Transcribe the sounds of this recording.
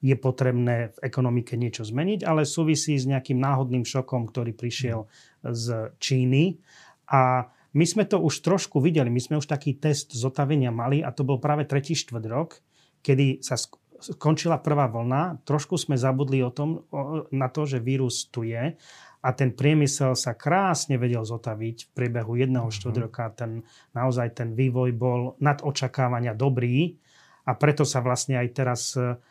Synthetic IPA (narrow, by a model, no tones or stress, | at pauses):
jɛpɔt̪ɾɛbnɛːvɛkɔnɔmikɛɲɪɛt͡ʃɔzmɛɲiɟalɛsuːʋisiːzɲɛakiːmnaːɦɔd̪niːmʃɔkɔmkt̪ɔɾiːpɾiʃɪɛl | zt͡ʃiːni | ʔa | mizmɛt̪ɔʔuʃt̪ɾɔʃkuʋiɟɛlimizmɛuʃt̪akiːt̪ɛst̪zɔt̪aʋɛɲɪamaliʔat̪ɔbɔlpɾaːʋɛt̪ɾɛciːʃt̪ʋr̩ɟɾɔkː | ɛd̪isas | kɔnt͡ʃilapr̩ʋaːʋl̩nat̪ɾɔʃkuzmɛzabud̪liɔt̪ɔmnat̪ɔʒɛʋiːɾust̪ujɛʔat̪ɛnpɾɪɛmisɛlsakɾaːsɲɛʋɛɟɛlzɔt̪aʋicfpɾɪɛbɛɦujɛd̪nɛɦɔʃt̪ʋr̩ɟɾɔkat̪ɛnː | aɔzajt̪ɛnʋiːʋɔjbɔlnad̪ɔt͡ʃakaːʋaɲɪad̪ɔbɾiː | apɾɛt̪ɔsaʋlasɲɛajt̪ɛɾas